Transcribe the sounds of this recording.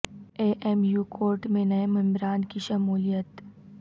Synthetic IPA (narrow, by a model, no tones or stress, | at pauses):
eːʔɛmjuːkʰoːɾʈmẽnɐemɪ̃mɾaːnkiʃɐmuːlijət̪